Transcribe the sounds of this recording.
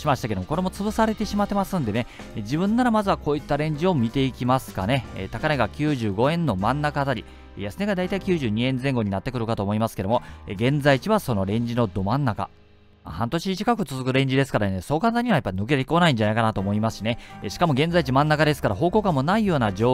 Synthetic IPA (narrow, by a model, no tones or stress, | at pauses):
imaɕi̥t̪ake̞d̪omoko̞ɾe̞mo̞t͡sɨbɯsaɾe̞t̪e̞ɕimat̪ːe̞masɨ̃nd̪e̞ne | ed͡ʑibɯ̟̃nːaɾamazɨβako̞ːit̪ːaɾẽ̞ɲ̟d͡ʑio̞mʲit̪e̞ikʲimasɨ̥kane̞̰t̪akaneɡakʲɨːʑɨːɡo̞ẽ̞nːo̞mãnːakat̪aɾʲi | jasɨne̞ɡad̪ait̪aikʲɨːʑɨːɲ̟iẽ̞nzẽ̞ŋɡo̞ɲ̟inat̪ːe̞kɯɾɯ̟kat̪o̞ːmo̞imasɨ̥ke̞d̪omo̞eɡẽ̞nzait͡ɕiβaso̞no̞ɾẽ̞ɲ̟d͡ʑino̞d̪o̞mãnːaka̰ | a̰hãnt̪o̞ɕit͡ɕi̥kakɯ̟t͡sɨzɨkɯ̟ɾẽ̞ɲ̟d͡ʑid̪e̞sɨ̥kaɾaneso̞ːkãnzaɲ̟iβajapːainok̬et̪eiko̞naĩɲ̟d͡ʑanaikanat̪oːmo̞imasɨ̥ɕine̞ɕi̥kamo̞ɡẽ̞nzait͡ɕimãnːakad̪e̞sɨ̥kaɾaɦo̞ːko̞ːkamːo̞naijo̞ːnad͡ʑoː